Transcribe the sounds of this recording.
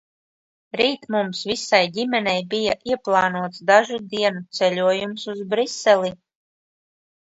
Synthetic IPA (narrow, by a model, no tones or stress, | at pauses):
ɾiːt̪mumsvisajdʲimʲɛnɛjbijaʔiɛplˠɑːnuɔt̪sd̪aʒud̪iɛnut̪sɛlʲuɔjumsuzbɾisɛlʲˠi